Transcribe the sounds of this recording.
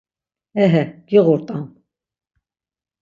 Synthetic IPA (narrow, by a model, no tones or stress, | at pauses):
ɛɦɛɡ̥iʁuɾt̪ʼam